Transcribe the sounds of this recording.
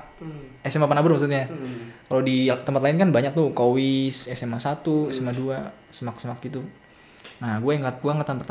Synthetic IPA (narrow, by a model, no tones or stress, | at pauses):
esemapanabʊrmaks̬ut̪̚ɲakalodit̪əmpat̪̚laɪnkanbaɲak̚t̪ukowɪsesemasat̪uesemadua | səmaksəmak̚ɡit̪u | naɡuajaŋɡaɡuaŋɡat̪ampərt̪